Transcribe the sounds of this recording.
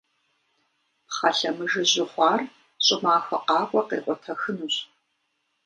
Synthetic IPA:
χɐɬɐmɨʒɨʑɪχʷɑːr | ɕʼɪmaːxɐqɑːkʷʼɐqḛːqʷʼɔtʰɐxɨnuɕʼ

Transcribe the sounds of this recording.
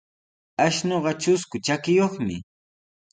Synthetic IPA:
aʃnoɢɑt͡ʃʊskʊt͡ʃakɪjoχmɪ

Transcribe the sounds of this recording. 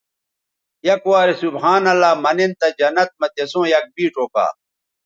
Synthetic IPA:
jɐkwaːɾesubɦaːnɐlːaːmɐnent̪ɐd͡ʑɐnːɐt̪̚mɐt̪esõːjɐk̚biːʈ͡ʂoːka̰ː

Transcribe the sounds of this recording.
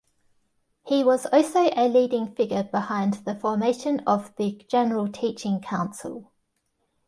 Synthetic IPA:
hiwɒzɔˑlˠsəʊʔəliːdɪ̃ŋfɪɡəbɪhãɪ̃nðəfɔːmeɪʃə̃nəvðəd͡ʒɛnəɹəlˠtʰiˑt͡ʃɪ̃ŋkʰãʊ̃nsə̰lˠ

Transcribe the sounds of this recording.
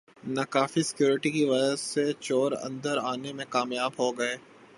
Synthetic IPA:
nɐkaːfisɪ̥kjuːɾɪʈikiʋɐd͡ʒəsːet͡ʃɔːɾɐ̰̃nd̪əɾaːnemẽkaːmjaːbɦoɡɐeː

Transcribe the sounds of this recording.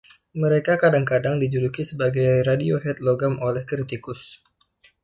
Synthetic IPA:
məɾekakadaŋkadaŋdid͡ʒudukisəbaɡajɾadioɦɛt̪̚loɡamolɛhkɾit̪ikʊs

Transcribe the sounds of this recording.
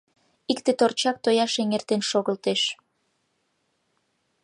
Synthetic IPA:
ikt̪et̪ort͡ɕɑk̚t̪ojɑʃeŋert̪enʃoɣəlt̪eʃ

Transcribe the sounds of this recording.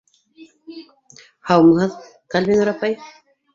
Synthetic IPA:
hawmhað | kalβɪŋaɾapaj

